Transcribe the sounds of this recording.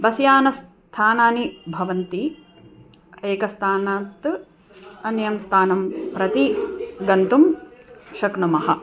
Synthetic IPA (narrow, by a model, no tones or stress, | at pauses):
bɐsjaːnɐs | t̪ʰaːnaːnibʱɐʋɐnt̪i | eːkɐst̪ʰaːnaːt̪ | ɐnjɐmst̪ʰaːnɐmpɾɐt̪iɡɐnt̪umʃɐkɳɐmɐɦɐ